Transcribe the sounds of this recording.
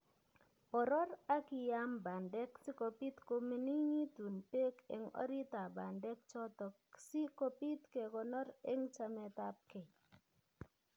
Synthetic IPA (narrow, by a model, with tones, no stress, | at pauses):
ɔ˨ɾɔ˦ɾa˦kɪ˨ja˦mba˨ndɛ˦ksɪ˦ko˨pi˦t̪ko˦me˨ni˦ŋi˦tu˨npe˦kḛ˨ŋɔ̰˦ɾi˦ta˨ba˨ndɛ˦k̚t͡ʃɔ˦tɔ˨ksi˦ko˦pi˦t̪ke˨kɔ˨nɔ˦ɾe˦ŋt͡ʃa˦mɛ˨ta˦p̚ke˨